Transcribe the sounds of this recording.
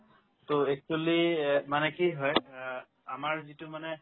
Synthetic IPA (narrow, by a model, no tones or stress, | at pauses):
toek̚tolimanɛkiɦɔj | amaɹzitʊmanɛ